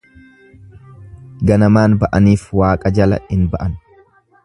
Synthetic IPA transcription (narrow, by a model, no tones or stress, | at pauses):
ɡɐnɐmaːnbɐʔɐniːfwaːkʼɐd͡ʒɐlɐ̰ɪnbɐʔɐn